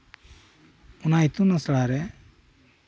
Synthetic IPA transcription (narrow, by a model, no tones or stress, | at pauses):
unait̪unasɭaɾɛ